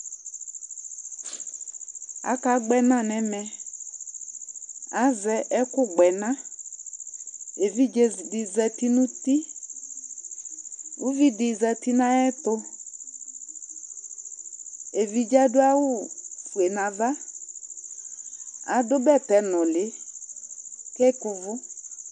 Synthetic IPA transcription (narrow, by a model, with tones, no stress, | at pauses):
a̰˨˦ka˨˦ɡ͡bɛ˨nã˦˨nɛ̃˨˦mɛ˨ | a˨˦zɛ˨ʔɛ˦kʊ˦ɡ͡bɛ˨nã˦ | e˨vi˦d͡ʒe˨dɪ˨zɛ˨ti˦nũ˦t̪i˦ | u˦vi˦dɪ˨zɛ˨ti˦nã˦ɛ˦tʊ˦ | e˨vi˨d͡ʒa˦dʊ˦a˦wʊ˦fu˨e˨nã˨va˦ | a̰˨˦dʊ˦bɛ˦˨tɛ˨nɔ˨lɪ˨˦ | kɛ˦kʊ˨vʊ˦